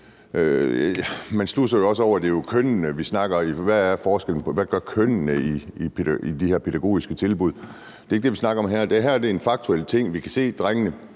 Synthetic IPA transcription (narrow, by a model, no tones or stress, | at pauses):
ø | mænslusɐjo̝ɒ̽s̬əɒʊ̰ɐd̥e̝jo̝kʰønnəʋisnɑ̈ɡ̥ɐiʋæːɐfɒːsɡ̥el̰n̩pʰɒ̽ʋæɡ̥ɶɐkʰøn̰nəiipʰeæid̥ihæɐpʰeɾ̥æɡ̥o̝̰ːisɡ̥ət͡sʰe̝lb̥uð̞̰ˠ | d̥e̝e̝ɡ̥̚d̥e̝ʋisnɑ̈ɡ̥ɐɒ̽mɦæɐ̰d̥e̝ɦæɐɐd̥e̝enfɑ̈ɡ̥̚t͡sʰuel̰t͡sʰe̝ŋ̰ʋikʰæse̝̰ːd̥ʁaŋ̰ənə